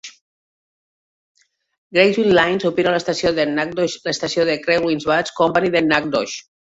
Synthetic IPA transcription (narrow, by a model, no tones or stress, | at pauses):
ɡɾejzwinlajnsopinaləst̪asjoðenak̚doʃləst̪asioðekɾeɣwinzβat͡skompaniðenak̚d̪ɔʃ